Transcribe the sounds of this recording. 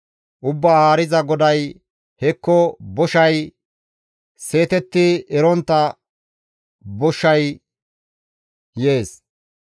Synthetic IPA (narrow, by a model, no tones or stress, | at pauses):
ʔʊbːaːhaːɾɪzɐɡɔd̪ɐj | hɛkːɔbɔʃɐj | se̞ːt̪ɛt̪ːɪɛɾɔnt̪ːɐ | bɔʃːɐj | jeːs